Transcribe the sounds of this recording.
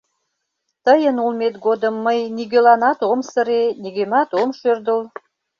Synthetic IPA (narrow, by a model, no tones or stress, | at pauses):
t̪əjənulmet̪̚ɡod̪əmːəjniɣølɑnɑt̪omsəɾeniɣømɑt̪omʃørd̪əl